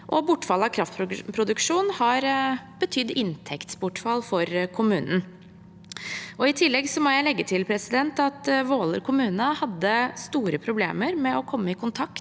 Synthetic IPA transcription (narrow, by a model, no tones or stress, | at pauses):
ʔɔbʊʈːfɑlɑkʰɾɑft̪̚pʰɾpʰɾʊd̪ʉkʂuːnhɑɾb̥ət̪ʰʏd̪ːɪnt̪ʰɛkt̪sbʊʈfɑlfɔɾkʰʊmʉːnən | ʔɔɪt̪ʰɪlːɛɡsɔmɔjæɪlɛɡːət̪ʰɪlpʰɾɛsɪd̪ɛnt̪ɑt̪ʋoːlə̰ɾkʰʊmʉːnəhɑd̪ːəst̪uːɾəpʰɾʊblḛːməɾmɛɔkʰɔmːəɪkʊnt̪ʰɑkt̪